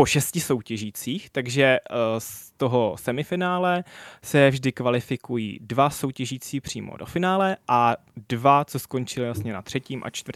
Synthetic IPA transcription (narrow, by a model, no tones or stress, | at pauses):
po̞ʃɛscɪso̞wcɛʒiːt͡siːxt̪aɡʒɛst̪o̞ɦo̞sɛmɪfɪnaːlɛsɛvʒdɪkvalɪfɪkujḭːdvaso̞wcɛʒiːt͡siːpr̝̥ḭːmo̰do̰fɪnaːlɛʔadvat͡sosko̞nt͡ʃɪlɪjasɲɛnat̪r̥ɛciːmʔa̰t͡ʃt̪vəɾ̩t̪